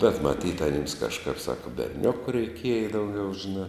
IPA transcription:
bʲɛt mɐˈtʲiːt ɐˈnʲɪms kɐʃˈkɐp ˈsɑːkɐ bʲɛrʲˈnʲʊkʊ rʲɛɪˈkʲiɛjɛ dɐʊˈɡʲɛʊ ʒʲɪˈnɑː

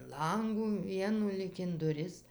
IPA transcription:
ˈlˠɐŋɡuː ˈʋʲiɛnuː lʲiːk ɪn dʊˈrʲɪs

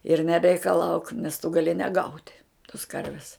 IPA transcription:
ɪr nʲɛrʲɛɪkɐˈlˠɐʊk nʲɛs tʊ ɡɐˈlʲɪ nʲɛˈɡɐʊtʲ toːs ˈkɐrʲʋʲɪs

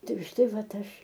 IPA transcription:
ˈtɐɪ ʊʃ ˈtɐɪ ˈʋɐt ˈɐʃ

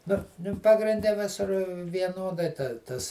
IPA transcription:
nʊ ˈnʊ pɐɡrʲɪnʲˈdʲɛ ˈʋʲɪsʊr ʋʲiɛˈnoːdɐɪ ˈtɐs

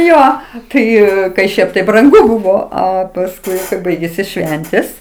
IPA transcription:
ˈjoː ˈtɐɪ kɐɪ ˈʃʲɛɪp tɐɪ brɐŋˈɡʊ ˈbuːʋoː ˈɐ pɐsˈkʊɪ ˈbɐɪɡʲeːsʲɪ ˈʃʲʋʲɛnʲtʲeːs

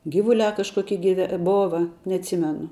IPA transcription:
ˈɡʲɪʋʊˌlʲæː kɐʃˈkoːkʲiɛ ɡʲɪˈʋʲɛ ˈboːʋɐ nʲɛɐtʲˈsʲiːmʲɛnʊ

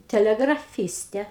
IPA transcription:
tʲɛˌlʲæːɡrɐˈfʲiːsʲtʲɛ

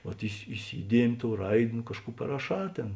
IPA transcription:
ʋɐt ɪsʲɪ ɪˈsʲiːdʲiɛmʲɪ ˈtoːʊ ˈrɐɪtʲ nʊ ˈkɑːʃˌkuː pɐrɐˈʃɑː ˈtʲeːn

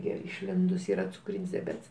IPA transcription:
ˈɡʲɪ ɪʃʲˈlʲɪndʊs ˈiːrɐ t͡sʊˈkrʲiːnʲsʲ dʲɛˈbʲɛts

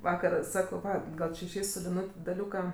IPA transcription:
ˈʋɑːkɐr ˈsɑːkɐʊ ˈʋɐ ˈɡɐlˠ t͡ʃʲɪ ɪʃʲˈɛɪs sʊ lʲɪˈnʊtʲ dɐˈlʲuːkɐ

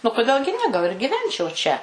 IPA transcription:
nʊ koːˈdʲeːlˠ ɡʲɪ nʲɛ ɡɐlˠ ɪr ɡʲiːˈʋʲɛnʲt͡ʃʲɛʊ t͡ʃʲɛ

